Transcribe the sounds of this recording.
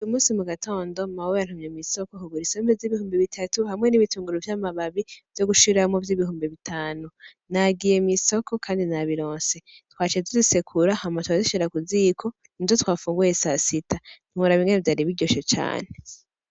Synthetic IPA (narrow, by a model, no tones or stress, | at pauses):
jumuːsimuɡatʰo̞ːndo̞mawojan̥humɲamiso̞kohuɡuɾisombeviβihuːmbiβitʰatuhamŋe̞niβituːŋɡuɾovjaːmaβaβiv̥jo̞ɡuʃiɾamŋo̞vjiβihuːmbiβitʰaːnu | naɡije̞miso̞kʰo̞kʰaːndinaβiɾo̞ːnse̞twaːt͡ʃiezizisekʰuɾahamatwazuʃiɾakuzikʰo̞ | nizotwaːfuːŋɡujesasitan̥uuɾaβiŋɡanevjaɾiβiɟoʃet͡ʃa̰ːne